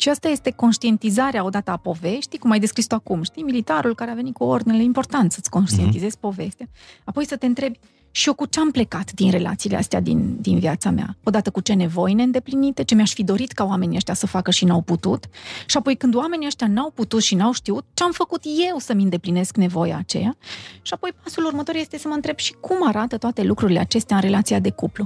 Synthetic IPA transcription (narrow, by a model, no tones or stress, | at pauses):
ʃiast̪aje̞st̪e̞ko̞nʃt̪ie̞nt̪izaɾeao̞d̪at̪əapo̞ve̞ʃt̪ikumajd̪e̞skɾist̪uakumʃt̪ijmilit̪aɾulkaɾeave̞nit̪̚kuord̪ineleimpo̞rt̪ant̪sət̪sʲko̞nʃt̪ie̞nt̪izez̥po̞ve̞st̪eaːpo̞jsət̪e̞ɨnt̪ɾe̞bʲ | ʃio̞kut͡ʃe̞ample̞kat̪d̪inre̞lʔa̰t̪siːlea̰st̪ea̰d̪ḭnd̪inviat̪samea̰o̞d̪at̪əkut͡ʃe̞ne̞vo̞jne̞ɨnd̪e̞plinit̪e̞t͡ʃe̞meaʃfid̪o̞ɾit̪kaowame̞niəʃt̪jasəfakəʃinawput̪ṵt̪ʃiapo̞jkɨnd̪wame̞niəʃt̪ʲjanawput̪ut̪ʃinawʃt̪iut̪̚t͡ʃe̞amfəkut̪je̞wsəmʲɨnd̪e̞pline̞skne̞vo̞ja̰ːt͡ʃe̞̰jaʃiapo̞jpasulurmət̪o̞ɾje̞st̪e̞səməɨnt̪ɾe̞b̥ʃi̥kʰumaɾat̪ət̪oat̪e̞lukɾuɾile̞at͡ʃe̞st̪eaɨnɾe̞lat̪siad̪e̞kuplu